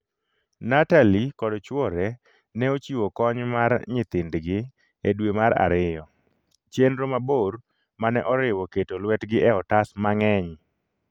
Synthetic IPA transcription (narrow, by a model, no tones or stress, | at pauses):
natalikɔdt͡ʃwɔɾɛ | nɛot͡ʃiwokɔɲmaɾɲɪt̪ɪndɡɪ | edwemaɾa̰ɾɪjɔ | t͡ʃjendɾomaboɾ | manɛʔɔɾɪwɔketolwɛtɡɪʔɛɔtasmaŋɛɲ